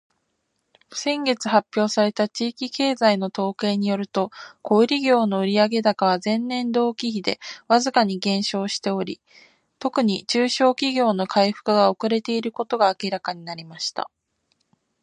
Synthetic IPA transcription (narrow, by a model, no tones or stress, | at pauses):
sẽ̞ŋɡe̞t͡sɨ̥hapʲːjo̞ːsaɾe̞t̪at͡ɕiːkʲike̞ːzaino̞t̪o̞ːke̞ːɲ̟ijo̞ɾɯ̟t̪o̞ko̞iɾʲiɡʲo̞ːno̞ɯ̟ɾʲiaɡe̞d̪akaβazẽ̞nːẽ̞nd̪o̞ːkʲiçid̪e̞̰βazɨkaɲ̟iɡẽ̞ɰ̃ɕo̞ːɕi̥t̪e̞o̞ɾʲi | t̪o̞kɯ̟ɲ̟it͡ɕɨːɕo̞ːkʲiɡʲo̞ːno̞kʰaiɸɯ̟̥kɯ̟ɡao̞kɯ̟ɾe̞t̪e̞iɾɯ̟ko̞t̪o̞ɡaːkʲiɾakaɲ̟inaɾʲimaɕi̥t̪a̰